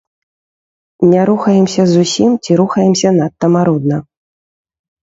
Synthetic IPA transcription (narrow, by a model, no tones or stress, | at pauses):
nʲaɾuxɐjɛmsʲɐzusʲimt͡sʲiɾuxɐjɛmsʲɐnat̪ːɐmaɾɔd̪̚nɐ